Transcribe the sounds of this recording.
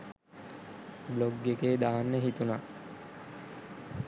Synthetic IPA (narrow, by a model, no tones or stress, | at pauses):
bloɡːekeːd̪aːanːeɦit̪una